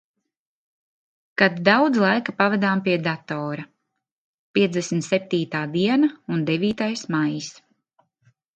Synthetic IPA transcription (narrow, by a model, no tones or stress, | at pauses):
kad̪ːawd̪zlˠajkapavad̪aːmpiɛd̪at̪ɔːɾa | pʲiɛt̪zd̪esmʲt̪sɛp̚t̪iːt̪aːd̪iɛnaund̪eviːt̪ajsmajis